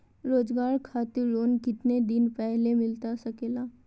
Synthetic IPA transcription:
ɾoːd͡ʒɡaːɾkʰaːt̪ɪɾːoːnkɪt̪ned̪ɪnpɛɦlemɪlt̪asɐkeːlaː

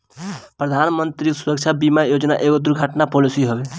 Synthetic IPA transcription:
pɾəd̪ʱaːnmənt̪ɾisʊɾəkt͡ʃʰabimajoːd͡ʒna̰ʔeːɡod̪ʊɾɡʱəʈnapoːlisiɦoʋe

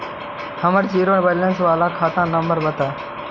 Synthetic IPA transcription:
həməɾd͡ʒiːɾoːʋələnsʋaːlaːkʰaːt̪ãːnə̃mbəɾbət̪aː

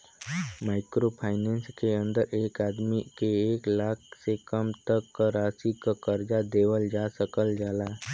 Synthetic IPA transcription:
maːɪkɾopʰaːɪnẽnskeə̃nd̪əɾeːkaːd̪mikeeːklaːk̚ʰsekəmt̪əkːaɾaːsikakəɾd͡ʒad̪eːʋəld͡ʒasəkəld͡ʒaːla

